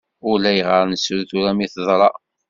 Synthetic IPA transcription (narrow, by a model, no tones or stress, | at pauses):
ʊlæjəʁəɾnəsulθuɾæmiθðˤɾˤɑ